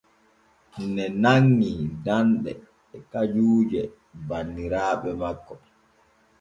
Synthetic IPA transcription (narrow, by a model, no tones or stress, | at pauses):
nɛnaŋːidanɗɛː | kad͡ʒuːd͡ʒɛ | banːiɾaːɓɛmakːɔ